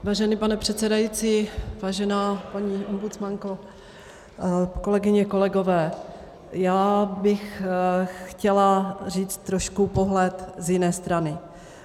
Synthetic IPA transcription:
vaːʒɛnipanɛpr̝̥ɛt̪t͡sɛdajit͡siːvaːʒɛnaːpaɲiːʔombut͡smaŋko | ko̞lɛɡɪɲɛko̞lɛɡo̞vɛː | jaːbɪx | xcɛlariːt͡st̪ːɾoʃkupo̞ɦlɛt̪zjɪnɛːst̪ɾanɪ

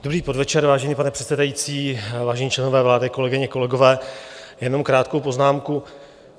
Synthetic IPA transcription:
d̥obɾiːpo̞dvɛt͡ʃɛɾvaːʒɛɲiːpanɛpr̥ɛt̪sɛdajiːt͡siːvaːʒɛɲiːt͡ʃlɛno̞vɛːvlaːdɪkolɛɡɪɲɛko̞lɛɡo̞vɛːjɛno̞mkɾaːt̪kowpo̞znaːmku

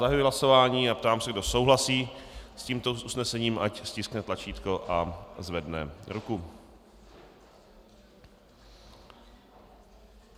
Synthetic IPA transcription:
aɦajuɦlaso̞vaːɲiːapt̪aːmsɛɡdo̞so̞wɦlasiːsciːmt̪ousnɛsɛɲiːmʔacscɪsknɛt̪lat͡ʃiːt̪ko̞ʔazvɛdnɛ̰ɾuku

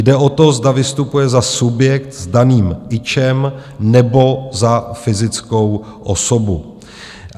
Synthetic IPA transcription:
dɛʔo̞t̪o̞zdavɪst̪upujɛzasubjɛkt̪zdaniːmɪt͡ʃɛmnɛbo̞zafɪzɪt͡sko̞w | ʔo̰so̞bu

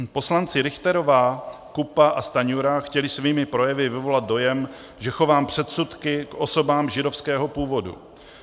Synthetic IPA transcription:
po̞slant͡sɪɾɪxt̪ɛɾo̞vaːkupaʔast̪aɲuɾaxcɛlɪsviːmɪpɾo̞jɛvɪvɪvo̞lat̪̚do̞jɛm | ʒɛxo̞vaːmpr̝̥ɛt̪sut̪kɪkʔo̞so̞baːmʒɪdofskɛːɦo̞puːvo̞dṵ

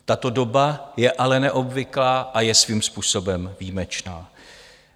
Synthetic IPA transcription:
t̪at̪o̞do̞bajɛʔalɛnɛʔo̞bvɪklaːʔajɛsviːmspuːso̞bɛmviːmɛt͡ʃnaː

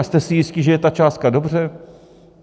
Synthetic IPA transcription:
st̪ɛsɪjɪscɪʒɛjɛt̪at͡ʃaːst̪̚kado̞br̝ɛ

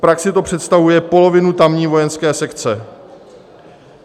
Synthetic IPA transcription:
pɾaksɪt̪o̞pr̝̥ɛt̪st̪avujɛpo̞lo̞vɪnut̪amɲiːvo̞jɛnskɛːsɛkt͡sɛ

